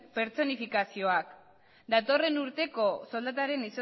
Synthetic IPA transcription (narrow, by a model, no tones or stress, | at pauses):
pe̞ɾt͡so̞nifikasio̞ak | d̪at̪o̞re̞nuɾt̪e̞ko̞so̞ld̪at̪aɾe̞niso